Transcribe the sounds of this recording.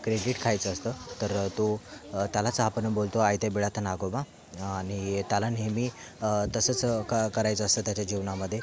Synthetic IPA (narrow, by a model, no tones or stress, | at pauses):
kɾeɖiʈkʰajt͡səst̪ət̪əɾt̪ot̪jalat͡səɦapənəbolt̪oajt̪jabiɭat̪ʰənaɡobã | añit̪jalanemiː | t̪əsət͡skkəɾajt͡səst̪ət̪jat͡ɕad͡ʑiʋnaməd̪ʱːje